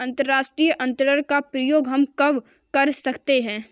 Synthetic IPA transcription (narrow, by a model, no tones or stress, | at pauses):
ɐ̃nt̪əɾːaːʃʈɾiːjəʔɐ̃nt̪əɾəɾkapɾəjoːɡɦɐmkɐʋ | kɐɾsɐkt̪eɦɛ̃ː